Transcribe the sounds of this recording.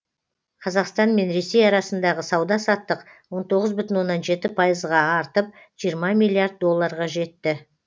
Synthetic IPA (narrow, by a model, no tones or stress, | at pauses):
qʰɑzɑqst̪ɑnme̞nɾe̞se̞jɑɾɑsənd̪ɑʁəsɑwd̪ɑsɑt̪ːəqwo̞nt̪ʰo̞ʁəzbʏt̪ɪnwo̞nːɑnʒe̞t̪ɪpʰɑjəzʁɑːɾt̪əp̚ | ʒ̥ijəɾmɑmilʲˠiaɾd̪̚ːo̞lˠːɑɾʁɑʒe̞t̪ːɪ